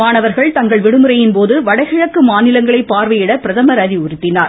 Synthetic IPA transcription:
aːnɐʋɐɾɣɐɭt̪ɐŋɡɐɭʋɪɽɯmɯɾɐjɪnpoːðɯʋɐɽɐɪɣɪɻɐkːɯmaːnɪlɐŋɡɐɭɐɪpːaːɾʋɐjɪɽɐpɪɾɐðɐmɐɾaːðiʊɾɪt̪ːɪnaːɾ

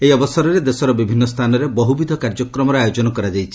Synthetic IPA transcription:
eiɔbɔsɔɾɔɾed̪esɔɾɔbibʱinːɔst̪ʰanɔɾebɔɦubid̪ʱɔkaɾd͡ʒɔkɾɔmɔɾɔajod͡ʒɔnɔkɔɾad͡ʒajt͡ʃʰi̥

